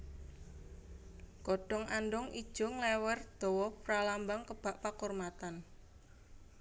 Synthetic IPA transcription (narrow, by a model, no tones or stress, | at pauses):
ɡ̥ɔɖ̥ɔ̤ŋʔanɖɔŋḭd̥ʒ̥ʊŋlɛwɛrd̪̥ɔ̤wɔpɾalambaŋkəb̥a̤ʔpakurmat̪an